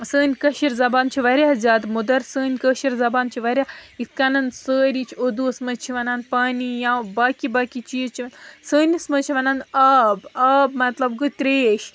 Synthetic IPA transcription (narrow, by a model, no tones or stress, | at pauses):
səːnʲkɐʃiɾzɐbaːnt͡ʃʰiʋɐɾʲjaːzʲaːd̪mud̪ɐɾsəːnʲkəʃiɾzɐbaːnt͡ʃʰiʋɐɾʲjait̪kaːnɐnsəːɾit͡ʃʰod̪usmɐt͡ʃʰiʋɐnaːnpaːnijãːbaːkibaːkit͡ʃit͡ʃʰiʋɐnsəːnʲismɐt͡ʃʰiʋɐnaːnaːbaːbmɐt̪lɐbɡɨt̪ɾeːʃ